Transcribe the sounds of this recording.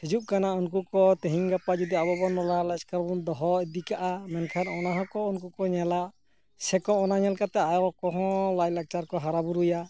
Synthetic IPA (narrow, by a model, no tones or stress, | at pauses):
hid͡ʒuʔ̚kanaunkukɔt̪eɦiŋɡapad͡ʒud̪iabɔbɔnɔlalaskaɾbɔnd̪ɔɦɔd̪ikaʔamɛnkʰanɔnaɦɔkɔunkukɔɲɛlaʔ | sɛkɔɔnaɲɛlkat̪ɛajɔkɔɦɔ̃lajlak̚t͡ʃaɾkɔɦaɾabuɾuja